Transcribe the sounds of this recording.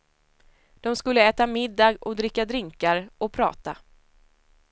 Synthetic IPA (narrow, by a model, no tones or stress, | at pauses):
d̪̥ɔmskɵlːəɛːt̪amɪd̪ːɑːɡɔd̪ɾɪkːad̪ɾɪŋkaɾɔpʰɾɑ̰ːt̪a